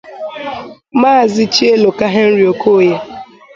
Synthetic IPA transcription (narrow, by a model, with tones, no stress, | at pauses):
maː˦˨zɪ˦t͡ʃi˦e˦lo˨ka˦ɦe˦n̩˦ɾi˨o˨ko˦je˦